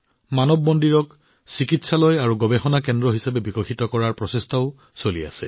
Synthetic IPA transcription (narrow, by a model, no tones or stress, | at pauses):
manɔbːɔndiɹɔk | sikitsalɔjaɹuɡɔbexɔnakɛndɹɔɦisapɛbikɔxʰitɔkɔɹaɹpɹɔsestʰaʊ | solia̰sɛ̰